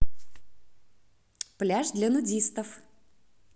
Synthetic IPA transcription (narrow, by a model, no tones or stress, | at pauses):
plʲaʐd̪lʲɐnʊdʲist̪əf